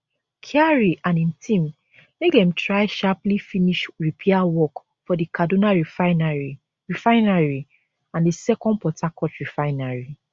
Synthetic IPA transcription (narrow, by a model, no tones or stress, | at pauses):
kʰiaɹiʔãnĩmtʰĩm | mek̚dɛ̃mtɹaɪʃaplifiniʃɹipʰɛawɔk | fɔdikadonaɹfnɹi | ɹifaɪnaɹi | ãndisɛkɔ̃ndpɔtʰakɔtɹifaɪnaɹi